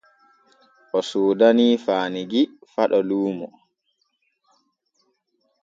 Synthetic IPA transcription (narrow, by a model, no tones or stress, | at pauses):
ʔɔsuːdaniːfaːniɡifaɗɔluːmɔ